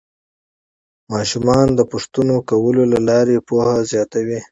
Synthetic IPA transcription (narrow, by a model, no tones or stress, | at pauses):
mɑʃumɑnd̪əpʊʂt̪unokawəlolalɑɾepohazjɑt̪awi